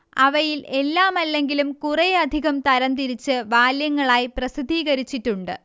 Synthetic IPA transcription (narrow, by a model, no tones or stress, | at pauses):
ɐ̰ʋɐjile̞lːaːmɐlːe̞ŋɡilumkurɐjɐd̪ʱiɣɐmt̪ɐɾɐnt̪iɾit͡ɕːɨʋaːljɐŋːɐɭaːjprɐsid̪ʱiːɣɐɾit͡ɕːiʈːuɳɖɨ